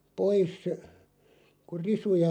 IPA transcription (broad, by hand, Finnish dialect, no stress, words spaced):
pois ku risujɑ